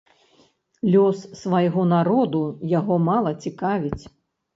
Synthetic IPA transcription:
lʲɔsːvajɣɔnaɾɔd̪ujaɣɔmalˠɐt͡sʲikavʲit͡sʲ

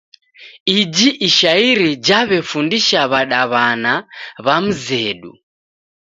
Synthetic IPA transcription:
id͡ʒiʔiʃaiɾid͡ʒaβɛfundiʃaβaɗaβanaβam̩zɛɗṵ

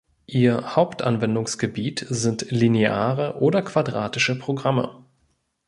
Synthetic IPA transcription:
ʔiːɐhaʊptʔa̰nvɛndʊŋsɡ̥əbiːtzɪntlinea̰ːʁəʔoːdɐkv̥adʁaːtɪʃəpʁ̥oɡʁamə̰

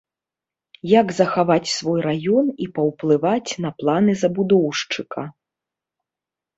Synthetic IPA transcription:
jaɡzɐxavat͡sʲsvɔjɾajɔnipɐwplˠɨvat͡sʲnɐplˠanɨzɐbud̪ɔwʂt͡ʂɨkɐ

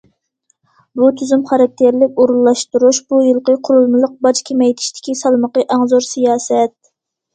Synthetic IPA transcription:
but̪ʰyzymχɑɾɑk̚ʲt̪ʰeɾlɪkʲoɾulˠːɑʃt̪uɾuʃb̥ujɨlˠqəqʰʊɾulˠmɨlˠəq̚bɑd͡ʒkʲʰemɛjt̪ʰɪ̥ʃt̪ɪ̥kʲisɑlˠməqəʔɑŋzoɾsijɑːsɛt̪̚

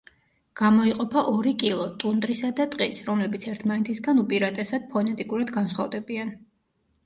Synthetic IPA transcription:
ɡ̥amɔiqʼɔpʰaʔɔɾikʼilˠɔt̪ʼund̪ɾisad̪at̪ʼqʼisɾɔmlɛbit̪sʰɛɾt̪ʰmanɛt̪ʰisɡanupʼiɾat̪ʼɛsad̪̥̚pʰɔnɛt̪ʼikʼuɾad̪ɡansχavd̪ɛbian

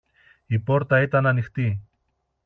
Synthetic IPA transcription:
ipo̞ɾt̪ɐit̪ɐnɐnixt̪i

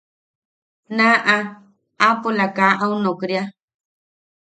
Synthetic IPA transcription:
nãʔa | apulakaʔaũnokɾja

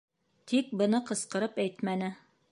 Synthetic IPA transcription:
t̪ʰik̚bɤ̆nɤqɤ̆sqɤ̆ɾɤpæjt̪mænɘ

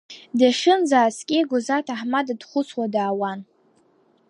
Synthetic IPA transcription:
daʂɨnzaːskʲʼɪɡʷʊzatʰaħmadadχʷʊswadaːwan

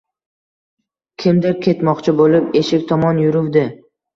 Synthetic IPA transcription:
kʲʰɪmd̪ɪɾkʲʰe̞t̪mɒqt͡ʃʰɪbolɪpe̞ʃɪkʲt̪ʰɒmɒnjʊɾʊvd̪ɪ

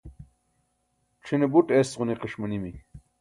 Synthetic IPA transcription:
ʈ͡ʂʰinebuʈesʁuniqeʂmɐnimi

